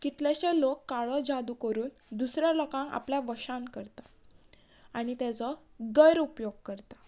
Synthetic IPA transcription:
kit̪lɛɕɛlokːaɭɔd͡zad̪ukəɾuːn | d̪usɾjalɔkãŋa̰pljaʋəɕãnkəɾt̪ḁ | aɽ̃it̪at͡sɔ | ɡəjɾupjoɡ̚kəɾt̪ḁ

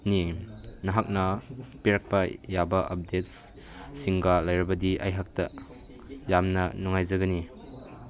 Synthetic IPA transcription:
ninɐɦak̚nɐpiɾɐk̚pɐjabɐʔɐp̚det̚s | siŋɡalajɾɐbɐdiʔa̰jɦak̚tɐ̰ | jamnɐnuŋajzɐɡɐni

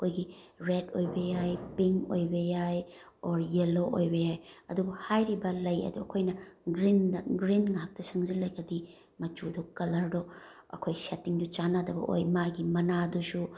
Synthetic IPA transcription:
ɐkʰojɡiɾedojbɐjajpiŋo̰jbɐjajoɾjeloʔojbɐjajɐdubuhajɾibɐlɐjɐ̰duɐkʰojnɐɡɾindɐɡɾinŋak̚tɐsɐŋzilɐjɡɐdi | mɐt͡ʃudɔkɐlɐɾdɔ | ɐ̰kʰojsetiŋdut͡ʃanadɐbɐ̰ʔo̰jmaɡimɐnadusu

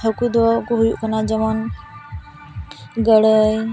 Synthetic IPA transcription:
ɦəkujd̪ɔkɔɦujuʔkanad͡ʒəmɔn | ɡəɽəj

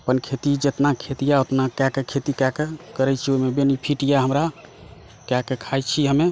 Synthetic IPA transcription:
əpənkʰet̪id͡ʒət̪nakʰet̪ijaot̪nakakekʰet̪ikakekəɾɛt͡ʃʰiomebenipʰiʈijaɦəmɾa | kakekʰajt͡ʃʰiɦəme

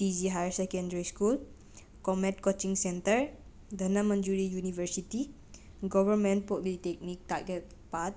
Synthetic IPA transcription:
tid͡ʒiɦajsɛkɛ̃ndəɹiskul | kɔmɛ̃t̚kot͡ʃĩŋsɛ̃nt̪əɹ | d̪ənãmə̃nd͡ʒuɹijunivəsit̪i | ɡɔvəmɛ̃npɔʔlit̪ɛk̚nik̚t̪aɡɛt̚ | pat̚

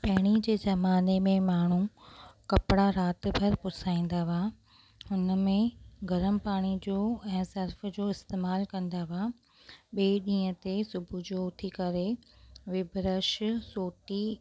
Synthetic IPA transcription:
pɐɦɪɽ̃id͡ʑeːzɐmaːnemẽmaːɳ̤ũkɐpɽaɾaːt̪̆bʱɐɾpʊsaːĩːn̆d̪aʋaː | hʊnə̆mẽɡʱɐɾəmpaːɽ̃id͡ʑoːɛ̃ːsɐɾf̆d͡ʑoːɪst̪eːmaːlkɐ̃nd̪aʋa | ɓeːɗĩːə̃t̪esʊbʱʊd͡ʑoʊt̪ʰikɐɾeʋɪbʱɾəʃsoːʈi

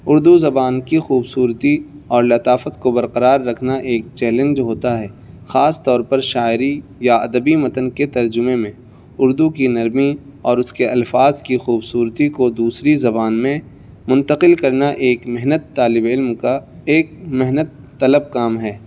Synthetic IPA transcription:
ʊɾd̪uzɐbaːnkixuːbsuːɾt̪i | ɔːɾlɐt̪aːfət̪kobɐɾqəɾaːɾːɐkʰnaʔeːk̚t͡ʃɛːlẽnd͡ʒɦoːt̪aɦɛː | xaːst̪ɔːɾpɐɾʃaːɪɾijaɐd̪əbimɐt̪ənket̪ɐɾd͡ʒʊmẽmẽ | ʊɾd̪ukinɐɾmiɔːɾʊskeɐlfaːzkixuːbsuːɾt̪ikod̪uːsɾizɐbaːnmẽ | mʊ̃nt̪əqɪlkɐɾnaʔeːkmɪɦnət̪ːaːlɪbɪlmkaeːk̚mɪɦnət̪ːɐləb̚kaːmɦɛː

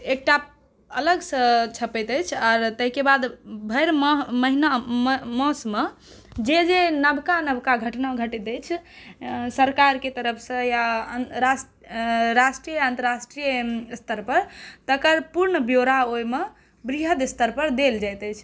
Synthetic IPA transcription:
ek̚ʈa | ələɡsə̃t͡ʃʰəpɛjt̪əjt͡ʃʰɔːɾt̪əɦikebad̪bʱəɾmməɦinammɔ̃sme | d͡ʒed͡ʒenəbkanəbkaɡʱəʈnaɡʱəʈɛt̪ət͡ʃʰ | səɾkaɾket̪əɾəpʰsə̃jaɾas | ɾasʈɾijəə̃nt̪əɾasʈɾijəst̪əɾpəɾt̪əkəɾpuɾɳəbjoɾaojme | bɾiɦəd̪ist̪əɾpəɾd̪eld͡ʒajt̪əjt͡ʃʰ

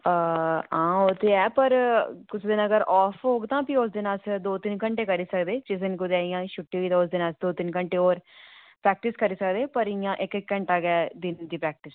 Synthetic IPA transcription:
əãːot̪ʰeːɛːpəɾkʊsʰd̪ɪnəɡəɾʔɔːfʰɦoːɡt̪ãːpiʊs̬d̪ɪnasd̪oːt̪ɪnkəɳʈeːkəɾiːsəkd̪eːt͡ʃɪs̬ənkʊd̪eːɪjãːʃʊʈːiːʋiːt̪ãːʊsd̪ɪnaːsd̪oːt̪ɪnkəɳʈeːoːɾ | pɾɛːk̚ʈɪskəɾiːsəkd̪eːpəɾɪjãːʔɪkkːə̃ɳʈaːɡɛːd̪ɪnd̪iːpɾɛːk̚ʈɪs

